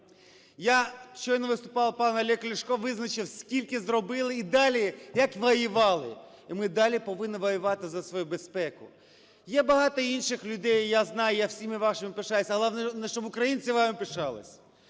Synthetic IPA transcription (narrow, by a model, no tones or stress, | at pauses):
jaʃt͡ʃɔjnɔʋɪst̪ʊpɑwpɑnɐlʲɛklʲɪʃkɔʋɪznɐt͡ʃɪwsʲkʲilʲkɪzrɔbɪlˠɪid̪ɑlʲijɐkʋɔjɪʋɑlˠɪimɪd̪ɑlʲipɔʋɪnnːɪʋɔjʊʋɑt̪ɪzɐsʋɔjubespɛkʊ | jɛbɐɦɑt̪ɔinʃɪxlʲʊd̪ɛjjaznɑjʊjawsʲimɪʋɑʃɪmɪpɪʃɑjɪsʲɐɦlˠɑnɛnɛʃt͡ʃɔbʊkɾɐjinʲt͡sʲiʋɑmɪpɪʃɑlˠɪ̰sʲ